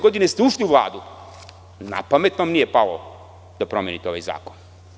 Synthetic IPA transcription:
ɡo̞d̪inest̪euʃliuʋlˠa̰ːd̪u | na̰pame̞t̪nomnije̞palo̰ | d̪̥apɾomjenit̪eoajza̰ːkon

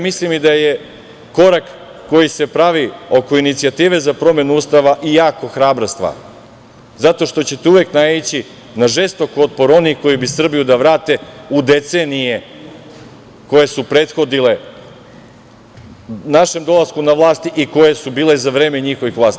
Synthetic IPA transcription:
mislimid̪aje̞ | ko̞ɾakː | o̞jise̞pɾaʋio̞ko̞init̪sijat̪iːʋe̞zapɾo̞me̞nuuːst̪aʋaʔijaːko̞xɾaːbɾost̪ʋa̰ | zat̪o̞ʃt̪o̞t͡ɕet̪euʋeknait͡ɕi | naʒest̪o̞ko̞t̪̚po̞ɾo̞nixko̞jibisr̩bijud̪aʋɾaːt̪e̞ud̪e̞t̪senije | ko̞je̞supɾe̞t̪xo̞d̪ile̞ | naʃe̞md̪o̞lˠaskunaʋlˠaːst̪iʔiko̞je̞subiːlezaʋɾe̞ːme̞ɲixo̞ʋixʋlaːst̪i

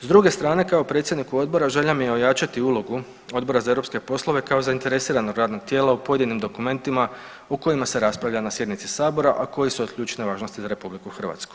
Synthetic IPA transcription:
zd̪ɾuɡe̞st̪ɾaːne̞kaopɾet̪sje̞d̪nikuo̞d̪̚bo̞ɾaʒeʎamijeo̞jat͡ʃat̪iulˠo̞ɡu | o̞d̪bo̞ɾazae̞ɾopske̞po̞slˠo̞ʋe̞kao̞zaint̪e̞ɾe̞siːɾanoɡɾaːd̪no̞ɡ̚t̪jeːlaupo̞je̞d̪inimd̪o̞kume̞nt̪ima | oko̞jimase̞ɾaspɾaʋlʎanasje̞d̪nit̪si̥saːbo̞ɾaʔako̞jisuokʎʲuːt͡ʃneʋaːʒno̞st̪izaɾe̞publikuxr̩ʋa̰ːt̪sku̥

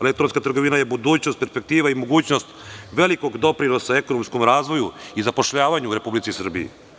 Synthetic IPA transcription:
lek̚t̪oɾonskat̪r̩ɡo̞ʋinajebud̪uːt͡ɕnost̪̚peɾspek̚t̪iːʋaimo̞ɡuːt͡ɕnost̪ʋeliko̞ɡd̪o̞pɾinosaeko̞nomsko̞mɾaːzʋo̞juizapo̞ʃʎaːʋaɲuːɾe̞publit̪sisr̩biḭ

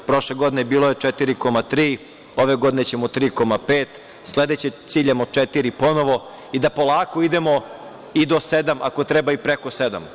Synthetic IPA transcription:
pɾo̞ʃleɡo̞d̪inebiːloje̞t͡ʂɛt̪iɾiko̞mat̪ɾiː | o̞ʋe̞ɡo̞d̪inet͡ɕemot̪ɾiːko̞mapeːt̪ | sled̪et͡ɕet̪siːʎemot͡ʂet̪iɾipo̞no̞ʋo̞ | id̪apo̞lˠaːkoid̪emo̞ | id̪o̞sed̪amʔa̰ko̞t̪ɾɛbaipɾekosed̪a̰m

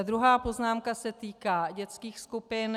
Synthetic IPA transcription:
d̪ɾuɦaːpo̞znaːmkasɛt̪iːkaːɟɛt͡skiːxskupɪn

